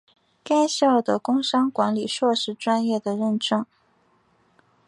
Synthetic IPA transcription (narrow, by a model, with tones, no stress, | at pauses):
ka˥ɪɕjɑ˥˩ʊd̪ə˩kʊ˥ŋʂɑ˥ŋkwa˧˥nli˨˩ʂwɔ˥˧ʂɻ̩˧˥ʈ͡ʂwa˥njɛ˥˩d̪ə˩ɻə˥˩nʈ͡ʂɤ˥ŋ